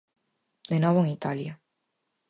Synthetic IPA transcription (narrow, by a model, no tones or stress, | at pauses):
d̪enɔβ̞oeŋit̪alja